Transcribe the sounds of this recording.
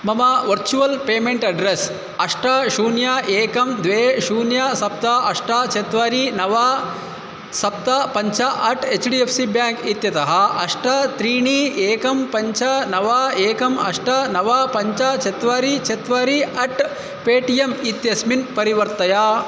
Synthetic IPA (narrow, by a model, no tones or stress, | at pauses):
mɐmɐʋɐɾt͡ʃuʋɐlpeːmeɳʈɐɖɾes | ɐʂʈɐʃuːnjaʔeːkɐmd̪ʋeːʃuːnjɐsɐp̚t̪ɐɐʂʈɐt͡ʃet̪ʋaːɾinɐʋaː | sɐp̚t̪ɐpɐɲt͡ʃɐʔɐʈet͡ʃɖiepʰsibjaːŋkit̪jɐt̪ɐɦɐɐʂʈɐt̪ɾiːɳieːkɐmpɐɲt͡ʃɐnɐʋaːeːkɐmɐ̰ʂʈɐnɐʋaːpɐɲt͡ʃɐt͡ʃet̪ʋaːɾit͡ʃet̪ʋaːɾiɐʈ | peːʈijemit̪jɐsminpɐɾiʋɐɾt̪ɐja